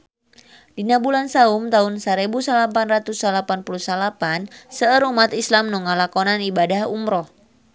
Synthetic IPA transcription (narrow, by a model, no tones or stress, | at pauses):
dinabulansaumt̪aunsaɾebusalapanrat̪usalapanpuluhsalapansəəɾumat̪islamnɔŋalakɔnanibadahumɾɔh